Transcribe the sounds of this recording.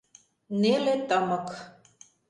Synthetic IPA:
nelet̪əmɤ̆k

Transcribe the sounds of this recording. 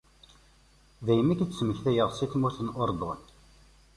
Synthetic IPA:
ðæjəmːikət͡sːməçθæjəʁsiθmuθənʔʊɾd̪ˤon

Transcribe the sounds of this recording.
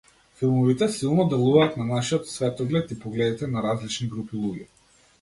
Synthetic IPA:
filˠmɔvit̪ɛsilˠnɔd̪ɛlˠuvaːt̪nanaʃiɔt̪svɛt̪ɔɡlɛt̪ipɔɡlɛd̪it̪ɛnaɾazlit͡ʃniɡɾupilˠuɟɛ

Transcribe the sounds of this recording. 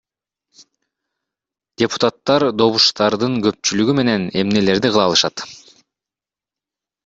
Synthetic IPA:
d̥̪ʲepu̥t̪at̪ːɑɾd̪o̞βuʃt̪ɑɾd̪ɯŋɡø̞p̚t͡ʃylyɡyme̞ne̞ne̞mne̞le̞ɾd̪iqɯlˠɑːlˠɯʃɑt̪

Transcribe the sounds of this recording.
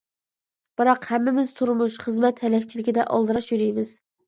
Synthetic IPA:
b̥ɨɾɑqhɛmːɪmɪz̥t̪ʰuɾmuʃχəzmɛt̪hɛlɛkʲt͡ʃʰilɪkʲɪd̪ɛ̰ʔɑ̰lˠd̪ɨɾɑʃjyɾijmɪz̥

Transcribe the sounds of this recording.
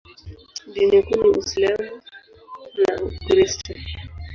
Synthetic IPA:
dinɛkunuuslamu | nakɾistɔ

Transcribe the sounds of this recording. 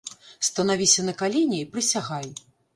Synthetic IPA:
st̪ɐnavʲisʲɐnɐkalʲenʲɛipɾɨsʲaɣaj

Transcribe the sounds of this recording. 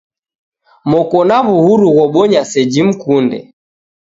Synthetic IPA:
mɔkɔnaβuhuɾuɣɔɓɔɲasɛd͡ʒim̩kundɛ̰

